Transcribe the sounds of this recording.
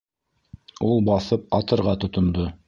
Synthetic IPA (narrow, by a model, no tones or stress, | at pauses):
ulˠbɑθɤp̚ɑt̪ɤ̆ɾʁɑt̪ŏt̪ŏnd̪o